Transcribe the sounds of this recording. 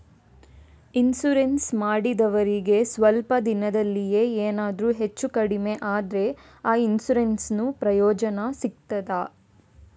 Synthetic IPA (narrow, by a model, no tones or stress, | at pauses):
insuɾensmaːɽid̪ɐʋɐɾiɡe̞sʋɐlpɐd̪inɐd̪ɐlːije̞ːeːnaːd̪ɾuːɦe̞t͡ʃːukɐɽime̞ʔaːd̪ɾe̞ | aːinsuɾensnupɾɐjɔːd͡ʒɐnɐsik̚t̪ɐd̪a